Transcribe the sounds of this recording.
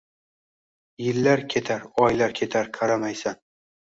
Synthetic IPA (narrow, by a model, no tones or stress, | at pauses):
jɪlːaɾkʲʰe̞t̪ʰaɾɒjlaɾkʲʰe̞t̪ʰaɾqʰɑɾamajsan